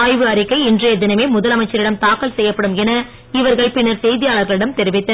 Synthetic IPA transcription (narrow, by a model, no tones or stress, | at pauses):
jʋɯɐɾɪkːɐɪɪndrɐɛðːɪnɐmeːmʊðɐlɐmɐɪt͡ʃːɐɾɪɽɐmt̪aːkːɐlsɛjːɐpːɐɽɯmɛnɐ | ɪʋɐɾɣɐɭpɪnːɐɾsɛjðɪjaːlɐɾɣɐɭɪɽɐmt̪ɛɾɪʋɪt̪ːɐ